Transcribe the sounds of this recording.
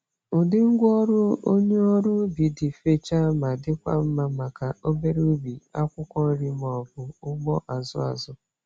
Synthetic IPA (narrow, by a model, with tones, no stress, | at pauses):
ʊ˨dɪ˦ŋ̩˦ɡʷɔ˦ɾʊ˦o˦ɲe˦o˦ɾu˦bi˨dɪ˨fe˨t͡ʃa˦ma˨dɪ˦kʷa̰˦m̩˦ma˦ma˨ka˨o˦be˦ɾu˦bi˨a˦kʷʊ˦kɔ˦n̩˦ɾi˦m˨ɔ˨bʊ˨ʊ˦ɡ͡bɔ˦ʔa˨zʊ̰˦a̰˨zʊ˦